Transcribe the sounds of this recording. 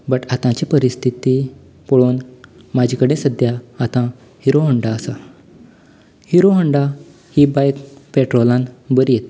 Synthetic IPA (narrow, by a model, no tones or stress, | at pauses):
bəʈat̪ãt͡ɕipəɾist̪ʰit̪i | poɭoːn | mad͡ʑʱikəɽẽsəd̪ʱjaat̪ã | hiɾoɦəɳɖaəsa | hiɾoɦəɳɖa | hibajkpeʈɾolãnbəɾijet̪